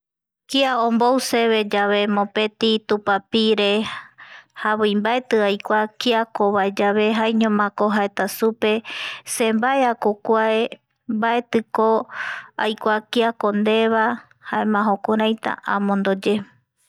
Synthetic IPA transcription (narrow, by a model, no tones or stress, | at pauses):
kiaõmbowse̞βe̞d͡ʒaβe̞mõpe̞t̪it̪upapiɾe̞ | haβɨjmbaet̪ɨajkʷakiakoβaed͡ʒaβe̞ɦajɲõmãkoɦaet̪asupe̞se̞mbaeakokʷae | mbae̞t̪ɨkoajkʷakiakond̪e̞βa | haemãɦokoɾajt̪a̰ʔãmõnd̪od͡ʒe̞